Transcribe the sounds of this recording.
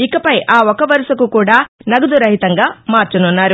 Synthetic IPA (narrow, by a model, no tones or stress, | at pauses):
ikɐpɐjʔaːɔkɐʋɐɾusɐkukuːɽaːnɐɡud̪uɾɐɦit̪ɐŋɡaːmaːɾt͡ʃɐnunːaːɾu